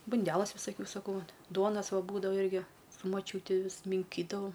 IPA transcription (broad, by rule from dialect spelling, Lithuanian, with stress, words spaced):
bʊnʲˈdʲæːlˠɐs ʋʲɪsɐˈkʲuː sɐˈkɐʊ ʋɐ ˈduɔnɐs ˈʋɐ ˈbuːdɐʋɐ ˈɪrʲɡʲɪ sʊ mɐˈt͡ʃʲuːtʲɪ ˈʋʲɪs mʲɪŋʲˈkʲiːdɐʋɐʊ